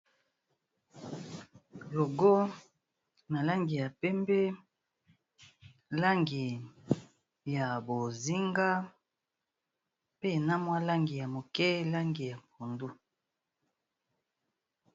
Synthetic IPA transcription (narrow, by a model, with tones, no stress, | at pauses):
lo˨ɡo˦ | na˨la˦ŋɡi˨ja˨pɛ˦mbɛ˦ | la˦ŋɡi˨ | ja˨bo˨zi˦ŋɡa˦ | pe˦˨na˦mwa˦la˦ŋɡi˨ja˨mo˨kɛ˦la˦ŋɡi˨ja˨pu˨ndu˦